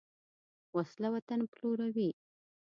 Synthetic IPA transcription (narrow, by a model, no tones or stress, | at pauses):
waslawat̪anploɾawi